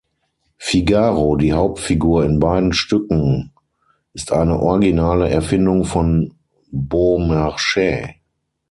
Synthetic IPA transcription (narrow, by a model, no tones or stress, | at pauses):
fiɡaːʁodiːhaʊp̚tfiɡuːɐɪnbaɪdn̩ʃtʏkŋ̩ | ʔɪstʰʔaɪnəʔɔɐɡinaːləʔɛɐfɪndʊŋfɔn | bomaʃɛː